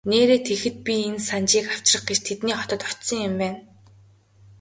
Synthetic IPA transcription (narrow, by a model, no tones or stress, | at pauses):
neːɾeːt̪ʰexɘ̆t̪̚pʲiensant͡ɕiːkaw̥t͡ɕrə̆χɡet͡ɕt̪ʰet̪niːχɔt̪ɞ̆t̪ɔt̪sɞ̆ŋjʊ̆mpæːn